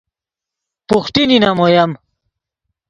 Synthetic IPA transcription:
puxʈininɐmojɐm

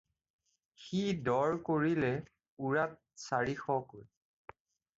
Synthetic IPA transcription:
xidɔɹkoɹilɛ | uɹat̚saɹixɔkoj

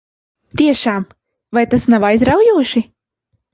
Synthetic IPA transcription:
t̪ʲiɛʃaːm | vajt̪asnavajzɾawjuɔʃi

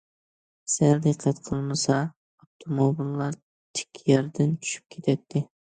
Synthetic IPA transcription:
sæld̪ɨqʰːæt̪qʰəlˠmɨsɑ | oft̪ʰomobilːɑɾ | t̪ʰɪ̥kʲʰːjɑɾd̪ɪnt͡ʃʰy̥ʃy̥p̚kʲʰet̪ʰɛt̪ʰːɪ

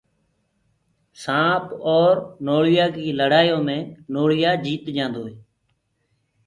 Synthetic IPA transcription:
sãːpɔːɾnoːɭɪjaːkiːləɽaːjõːmẽːnoːɭɪjaːd͡ʒiːt̪d͡ʒãːnd̪oːɦeː

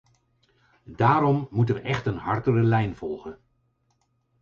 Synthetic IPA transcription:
daːɾɔmːutəʋəʔɛχtənɦɑɹtərəlɛjnv̥ɔlˠχən

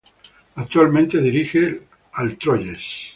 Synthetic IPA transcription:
ak̚t̪uwalmẽnt̪eðiɾixe | alt̪ɾoʎes

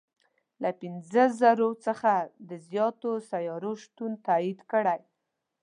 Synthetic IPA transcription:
lapɪnzəzaɾot͡səxad̪əzjɑt̪osajɑɾoʃt̪unt̪aid̪kəɽaj

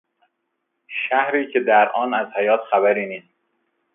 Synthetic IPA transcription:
ʃæhɾiːcʰed̪æɾʔɒːnæzhæjɒːt̪ʰxæbæɾiːniːs

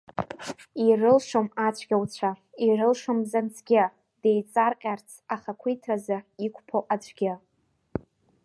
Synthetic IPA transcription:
irɨlʂomat͡ʃʷʰɡʲawt͡ɕʷʰairɨlʂomzant͡sʰɡʲɪ | d̥ejt͡sʼarqʲʼart͡sʰaχakʷʰitʰrazaikʷʰʼpʰoʔat͡ʃʷʰʼɡʲɪ

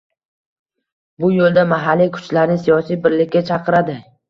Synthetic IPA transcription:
bʊjolˠd̪amaɦalːikʰʊ̥t͡ʃlaɾnɪsijɒsijbɪɾlɪkʲːat͡ʃʰɑqɨɾad̪ɪ

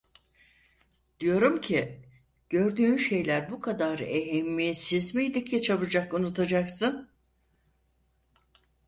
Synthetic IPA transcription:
d̪̥ijo̞ɾumcʰi | ɟ̥øɾd̪yːnʃe̞jlʲæɾbukʰad̪aɾeɦɛmːijesizmijd̪icʰɛt͡ʃʰabɯd͡ʒakunut̪ʰad͡ʒaksɯn

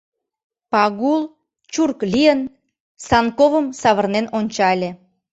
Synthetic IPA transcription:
pɑɣul | t͡ɕurklʲijən | sɑnkoβəmsɑβərnenonʲt͡ɕɑlʲe

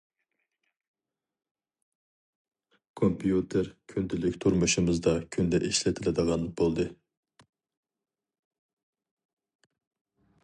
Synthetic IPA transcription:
kʰompʰijut̪ʰeɾkʲʰynd̪ɪlɪkʲt̪ʰuɾmuʃɪmɨzd̪ɑkʲʰynd̪ɛʔeʃlɛt̪ʰɪlɪd̪əʁɑnbolˠd̪ɨ

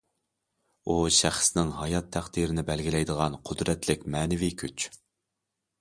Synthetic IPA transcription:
uʃæχsnɪŋɦɑjɑt̪ʰːæχd̪iɾɪnɪbɛlɡʲilɛjd̪əʁɑnqʰʊd̪ɾɛt̪lɪkʲmɛːnɪvikʲʰyt͡ʃ

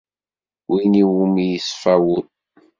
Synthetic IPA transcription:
winiwumijəsfæwʊð

